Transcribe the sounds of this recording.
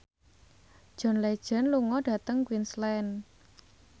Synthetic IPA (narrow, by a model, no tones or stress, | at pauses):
d̥ʒ̥ɔ̤nlɛd̥ʒ̥ə̤nluŋɔɖ̥ä̤t̪əŋkwinslɛn